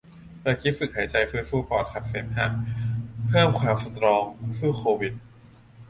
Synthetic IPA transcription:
p̪ɛː˧˩kʰi˦˥fɯ˨˩k̚ha˩˦jt͡ɕa˧jfɯː˥˩fuː˥˩pɔː˨˩t̪̚kʰa˨˩p̚feː˩˦mha˨˩m̚pʰɤː˥˩mkʰwaː˩˦fo˧˩t̪ɾɔː˧ŋfuː˥˩kʰoː˧wi˨˩t̪̚

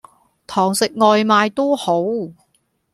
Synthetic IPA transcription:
t̪ʰɔː˨˩ŋsɪ˨k̚ŋɔː˨˧jmaː˨˧jt̪o˥ho˨˥w

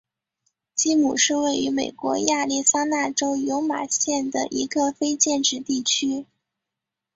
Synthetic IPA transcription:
t͡ɕi˥mu˨˩ʂɻ̩˥˧we˥˩ɪy˧˥me˨˩ɪkwɔ̰˧˥ja˥˧li˥˩sa˥na˥˩ʈ͡ʂo˥ʊjo˧˥ʊma̰˨˩ɕjɛ˥˩nd̪ə̰˩ʔi˧˥ɡə˧fe˥ɪt͡ɕjɛ˥˧nʈ͡ʂɻ̩˥˩t̪i˥˩t͡ɕʰy˥

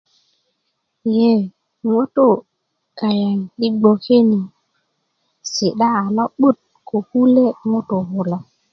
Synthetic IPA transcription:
je˦˨ | ŋo˦to˦˨ | ka˨ja˨ŋi˦ɡ͡bo˨ke˦ni˨ | se˨ɗa˦a˨la˦ɓu˦t̚ | kʰo˨hu˦le˦ŋo˦to˨ho˦la˦

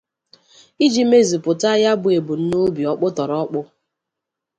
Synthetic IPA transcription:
i˦d͡ʒi˦me˦zi˨pʊ˨ta˦ja˦bʊ˨e˨bu˨n̩˦no˦bi˨ɔ˦k͡pʊ˦tɔ˨ɾɔ˦k͡pʊ˦

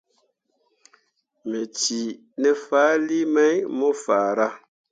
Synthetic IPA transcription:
me˨ti˨ | nɛ˨faː˨˦li˦mɛ˦jmo˦faː˨ɾa˦

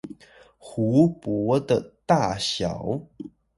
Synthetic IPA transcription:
xu˧˥˦pwɔ˧˥d̪ə˧t̪a˥˩ɕjɑ̰˨˩˦ʊ

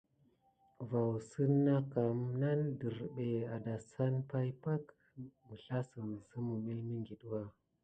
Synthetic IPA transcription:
va˨wsə˦nːa˦ka˨mna˦ndə˨ɾɓe˨a˨da˨sa˦npa˦jpa˦k | mə˨ɬa˦sə˨m˨zə˦mu˨me˦mi˦ŋɡi˨ɗwa˦

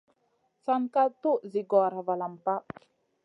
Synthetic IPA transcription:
saŋka˦t̪u˦ʔziɡɔ˨ɾava˨lampa˦ʔ

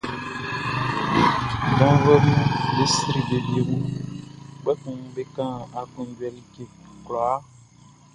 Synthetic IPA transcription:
ɡã˦vɛ˦mĩ˦be˦si˦ɾi˨be˨bi˦e˨wu˦ | ɡ͡bɛ˦kũ˨m˨be˦kã˦a˨kɔ̃˨˦d͡ʒwɛ˨li˦ke˨klɔ˨a˦

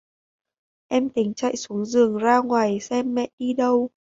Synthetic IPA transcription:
ʔɛ˧mt̪ï˨˦ŋ̟t͡ɕa̰˧˨jsu˨˦əŋzɨ˨˩əŋzaː˧ŋwaː˨˩jsɛ˧mːɛ̰˧˨ʔʔi˧ɗə˧w

